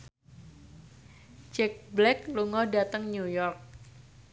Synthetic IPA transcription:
d͡ʒɛk̚blɛk̚luŋɔdat̪əŋɲujɔrk̚

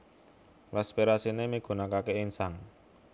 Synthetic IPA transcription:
pɾaspiɾasinemiɡ̥o̤nakakeɪnsaŋ

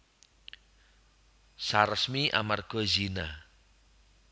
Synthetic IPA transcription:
saɾəsmiʔa̰marɡ̥ɔ̤zina

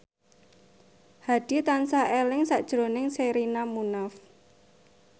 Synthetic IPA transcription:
had̥i̤t̪ansaelɪŋsaʔd̥ʒ̥ɾonɪŋseɾinamunaf

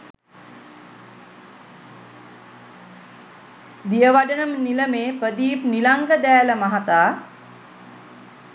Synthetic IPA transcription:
d̪ijəʋaɖənəmniləmeːpəd̪iːpnilaŋɡəd̪æːləmaɦat̪aː

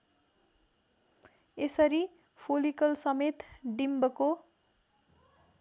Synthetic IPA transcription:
esʌɾi | pʰolikʌlsʌmet̪ɖimbʌko

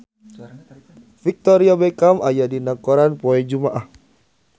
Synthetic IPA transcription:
fik̚t̪ɔɾiabɛkamʔajadinakɔɾanpɔɛd͡ʒumaʔah

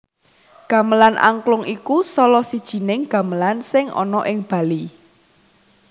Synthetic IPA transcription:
ɡ̥ä̤məlanʔa̰ŋklʊŋikusɔlɔsid̥ʒ̥i̤nɪŋɡ̥ä̤məlansɪŋʔɔ̰nɔʔɪŋb̥ä̤li

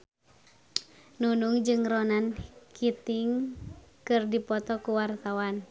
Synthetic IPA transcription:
nunuŋd͡ʒɨŋronankʰit̪iŋkɨrdipɔt̪ɔkuwart̪awan

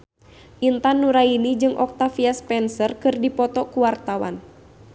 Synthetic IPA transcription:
ʔint̪anːuɾainid͡ʒɨŋʔɔ̰k̚t̪afiaspɛnsərkɨrdipɔt̪ɔkuwart̪awa̰n

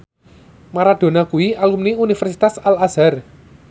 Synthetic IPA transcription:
maɾaɖ̪̥o̤nakuwialumniunifɛrsi̥t̪asalaz̥ar

